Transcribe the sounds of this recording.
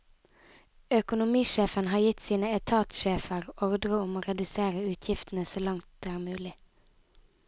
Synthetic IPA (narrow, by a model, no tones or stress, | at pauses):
œkʊnʊmiːʃeːfənhɑːjɪt̪siːnəɛt̪ʰɑːt̪ʃeːfəʁɔʁd̪ʁəʊmoːʁɛd̪ʉseːʁəʉːt̪ʰjɪft̪n̩əsoːlɑŋt̪æːʁmʉːlɪ